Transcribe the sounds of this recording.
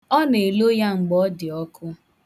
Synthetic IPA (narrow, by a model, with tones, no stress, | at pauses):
ɔ˦ne˨lo˦ja˦ŋ͡m̩˨ɡ͡bɔ˦dɪ˨ɔ˦kʰʊ˦